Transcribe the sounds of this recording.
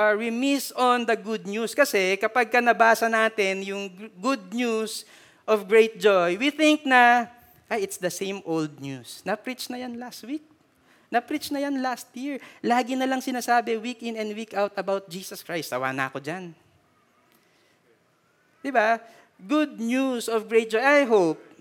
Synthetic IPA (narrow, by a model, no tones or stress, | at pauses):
awimɪsɔnd̪ɐɡʊd̪̚ɲuskɐsɛkɐpɐɡ̚kɐnɐbaːsɐnaːt̪ɪnjʊŋɡʊd̪̚ɲus | ʔɔvɡɹejt̪̚d͡ʒojwiθɪ̃ŋk̚nɐ | ʔajɪt̪sd̪ɐsẽjmʔold̪̚nusnɐpɾit͡ʃnɐjanlast̪wik̚ | nɐpɾit͡ʃnɐjanlast̪jɪɹlaːɡɪnɐlɐŋsɪnaːsaːbɛwikɪ̃nɛnd̪wikawt̪ɐbawt̪̚d͡ʒiːsɐskɹajst̪ːɐwa̰ːnɐɐkod͡ʒan | d̪̥ɪba | ɡʊd̪̚njusɔvɡɹejt̪̚d͡ʒojʔajɦowp̚